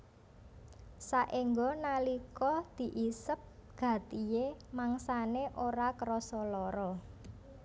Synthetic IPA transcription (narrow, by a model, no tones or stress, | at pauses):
saʔiŋɡɔnalikɔd̪̥i̤ʔisəp̚ɡ̥ä̤t̪ijemaŋsaneʔoɾakɾɔsɔlɔɾɔ